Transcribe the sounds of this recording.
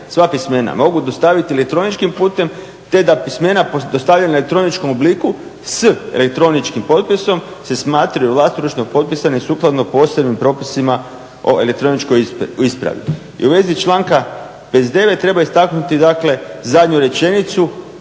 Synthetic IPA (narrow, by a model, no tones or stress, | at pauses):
sʋapisme̞na̰mo̞ɡud̪ost̪aʋit̪ielek̚t̪ɾo̞nit͡ʃkimpuːt̪e̞m | t̪e̞d̪apisme̞napod̪ost̪aːʋʎanelek̚t̪ɾo̞nit͡ʃko̞mobliku | sḛle̞k̚t̪ɾo̞nit͡ʃkimpo̞t̪̚piso̞mse̞smaːt̪ɾajuʋlˠast̪oɾut͡ʃnopo̞t̪̚pisaneisuːklˠad̪nopo̞ːsebnimpɾo̞ːpisima | o̞̰ʔelekt̪ɾo̞nit͡ʃkoispɾa̰ʋḭ | ḭuʋe̞zit͡ʃlaːŋka | pezd̪e̞ʋet̪t̪ːɾe̞baist̪aknut̪id̪akle̞zad̪ɲuɾe̞t͡ʃe̞nit̪su